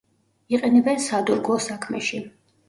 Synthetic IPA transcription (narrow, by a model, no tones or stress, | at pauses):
iqʼɛnɛbɛnsad̪uɾɡɔsakʰmɛ̰ʃi